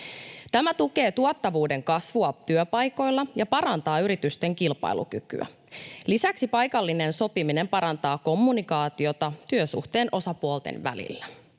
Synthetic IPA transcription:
t̪æmæt̪uke̞ːt̪uot̪ːɑʋuːde̞ŋkɑsʋuɑt̪yøpɑjko̞jlːɑjɑpɑɾɑnt̪ɑːyɾit̪yst̪e̞ŋkilpɑ̰ilṵk̟yky̰æ̰ | lisæksipɑjkɑlːine̞nso̞pimine̞mpɑɾɑnt̪ɑːko̞mːunikɑːt̪io̞t̪ɑt̪yøsṵxt̪e̞ːnʔo̞sɑpuolt̪ḛnʋæ̰lḭlːæ

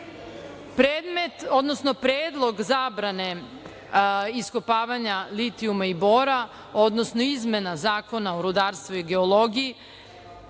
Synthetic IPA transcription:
pɾeːd̪me̞t̪o̞d̪nosno̞pɾeːd̪lˠo̞ɡzaːbɾane̞ | iskopaːʋaɲalit̪iumaiboɾa | o̞d̪nosnoizmenazaːko̞naoɾud̪aːɾst̪ʋuiɡe̞olˠo̞ɡiji

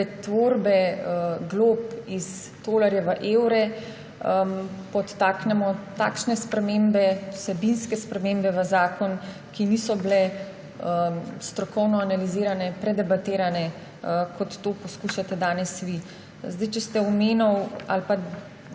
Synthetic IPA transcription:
pɛt̪ʋoːɾbɛɡloːpis | d̪oːlaɾjɛʋəʔeːwɾɛ | pɔt̪ːaːknɛmɔt̪a̰ːkʃnɛspɾɛmembɛusɛbinskɛspɾɛmeːmbɛʋəzaːkɔn | kinisɔblɛ | əst̪ɾɔkɔwnɔanaliziːɾanɛpɾɛd̪ɛbat̪eːɾanɛ | kɔt̪ːoːpɔskuʃat̪ɛd̪aːnɛsʋi | zd̪ajt͡ʃɛst̪ɛɔmeːnɔwa̰lpa

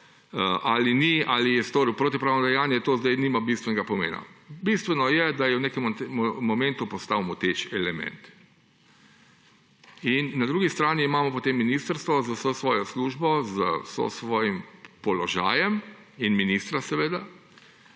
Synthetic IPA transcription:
ʔalinialijɛst̪oːɾiwpɾoːt̪ipɾaːwnɔd̪ɛjaːnjɛt̪oːzd̪ajniːmabist̪ʋɛnɛɡapɔmḛːna̰bist̪ʋɛnɔjɛd̪ajɛwnekɛmt̪mːɔmɛ̃nt̪upɔst̪aːwmɔt̪et͡ʃɛlɛmɛ̰nt̪ | inːad̪ɾuːɡist̪ɾaːniːmaːmɔpɔt̪emːiniːst̪əɾst̪ʋɔzawsosʋɔːjɔsluːʒbɔzəso̰sʋɔːjimpɔlɔʒa̰ːjɛm | inminist̪ɾasɛʋeːd̪a

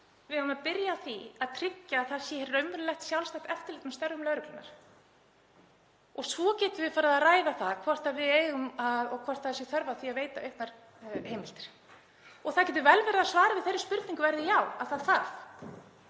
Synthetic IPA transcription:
vɪðhaʏmaðpɪɾjaθiaðt̪ʰɾɪcːaːθaðsjɛhɛɾːœɥmʏɾlɛxt̪sjawlsajt̪ɛft̪ɪlik̪nast̪œɾːʏmlœːɾʏklʏnːa̰ɾ̥ | ɔɣsɔcɛːt̪ʏvɪfaːɾaðaraːjðaθaðkʰvɔr̥t̪aðvɪðeːjɣʏmaðɔɣkʰvɔr̥t̪θaðsjɛɣθœɾvaθiaðveːjt̪aœɥhknaɾ̥ | hejmɪl̥t̪ɪ̥ɾ̥ | ɔɣθaðcɛt̪ʏvɛlvɛɾɪðasvaːɾavɪðθejɾɪ̥spʏɾt̪niŋkʏvɛɾðɪjawaðθaðθaθ

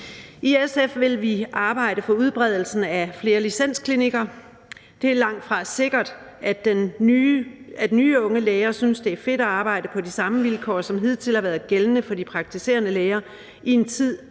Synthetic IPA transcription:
ʔiesefʋe̝lʋiʔɑ̈ːb̥ɑ̈ɪ̰ɾ̥əfɒ̽uð̞ˠb̥ʁɛð̞̰ˠl̩sn̩æfle̝ːɐlisen̰skʰliniɡ̥ɐ | d̥e̝æɐlɑ̈ŋ̰d̥fʁɑ̈se̝ɡ̥ɐd̥ | æ̥en | æd̥nyːɔ̽ŋəleːɪɐsynsd̥e̝æɐfe̝d̥æɑ̈ːb̥ɑ̈ɪ̰ɾ̥əpʰɒ̽disɑ̈məʋilkʰɒ̰ːsɒ̽mɦið̞̰ˠt͡sʰe̝lhɑ̈ʋæːɐðˠɡ̥elənəfɒ̽d̥ipʰʁɑ̈ɡ̥̚t͡sʰise̝̰ːɐnəleːɐ | ie̝nt͡sʰið̰ˠ

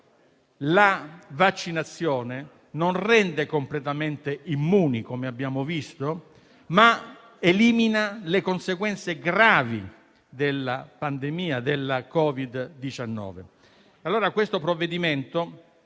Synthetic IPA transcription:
lavat͡ʃːinat̪sːjɔːne | nonrɛnd̪ekomplet̪ament̪eimːuːnikomeabːjaːmovist̪o | ma | eliːminalekonseɡwɛnt̪seɡɾaːvḭ | d̪elːapand̪emiːad̪elːakɔvid̪ːit͡ʃanːɔ̰ːve | alːoːɾakwest̪opɾovːed̪iment̪o

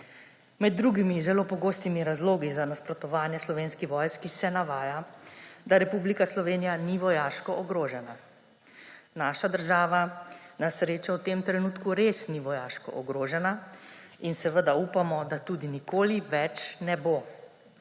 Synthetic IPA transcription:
mɛd̪̚ːɾuːɡimizɛloːpɔɡoːst̪imiɾazloːɡizanaspɾɔt̪ɔʋaːnjɛslɔʋenskixʋɔjskisɛnaʋaːjad̪aɾɛpublikaslɔʋeːnijaniʋɔjaːʃkɔʔɔɡɾoːʒɛna | naːʃad̪əɾʒaːʋanasɾeːt͡ʃawt̪eːmt̪ɾɛnuːt̪kuɾeːsniʋɔjaːʃkɔ̰ʔɔɡɾoːʒɛna | insɛʋəd̪aupamɔd̪at̪uːd̪inikoːliʋɛt͡ʃnɛbo

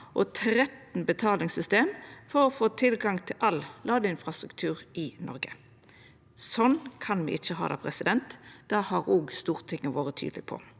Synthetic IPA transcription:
ʔɔt̪ʰɾɛt̪n̩bət̪ʰɑːlɪŋsʏst̪eːmfɔʁɔfoːt̪ʰɪlɡɑŋt̪ʰɪlʔɑllɑːɡ̪əɪnfʁɑst̪ʁʉkt̪ʰʉːʁɪnʔɔɾɡə | sɔnkʰɑnmḭːʔɪt͡ʃːəɦɑ̰ːd̪ɑ̰ːpʰɾɛsɪd̪ɛnt̪d̪̥ɑhɑɾoɡst̪uːʁt̪ʰɪŋːəʋoːʁət̪ʰy̰ːd̪lɪpʰɔ̰

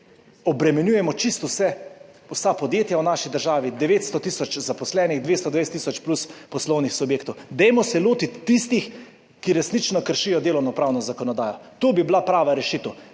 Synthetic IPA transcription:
ɔbɾɛmɛnjuːjɛmɔt͡ʃist̪usɛ | usapɔd̪jeːt̪jawnaʃid̪əɾʒaːʋid̪ɛʋeːt̪st̪ɔt̪isɔt͡ʃzapɔslɛnixd̪ʋeːst̪ɔd̪ɛʋest̪ːisɔt͡ʃpluspɔslɔwnixsubjeːkt̪ɔwd̪ɛjmɔsɛloːt̪it̪ːist̪ix | kiɾɛsnit͡ʃnɔkəɾʃijɔd̪eːlɔwnɔpɾaːwnɔzakɔnɔd̪aːjɔt̪oːbiblapɾaːʋaɾɛʃit̪əw

